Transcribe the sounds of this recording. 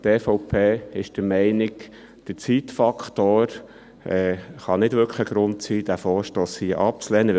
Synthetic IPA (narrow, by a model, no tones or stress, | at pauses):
t̪eːfɔʊpʰeːɪʃd̥əmɛɪnɪk | d̥ət͡siːt̪fɑkχtoːɾ | ɛːχɑnɪdʋʏɾkχəɡ̥ɾʊnt̪siːd̥æfoːɾʃtoːshiːəʔɑp̚t͡slɛːnə